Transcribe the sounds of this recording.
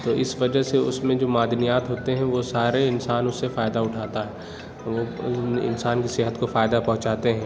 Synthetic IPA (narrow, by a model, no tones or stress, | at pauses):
t̪oːʔɪsʋɐd͡ʒəɦseʊsmẽd͡ʒoːmaːd̪nijaːt̪ɦoːt̪eɦɛ̃ʋosaːɾeɪnsaːnʊsːefaːjd̪aʊʈʰaːt̪aɦɛː | ʋoɪ̰nsaːnkisɪɦət̪kofaːjɪd̪apɐ̃ɦʊ̃t͡ʃaːt̪eɦɛ̃ː